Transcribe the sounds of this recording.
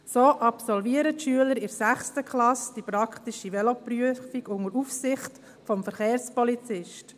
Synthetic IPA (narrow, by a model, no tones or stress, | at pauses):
soːʔɑpsɔlviəɾətʃyələɾɪɾsæχstəkʰlɑsd̥ipɾɑkχtiʃiʋɛlɔpɾyəfiɡʊŋəɾufsɪχt | fɔmfəɾχeːɾspɔlit͡sɪʃt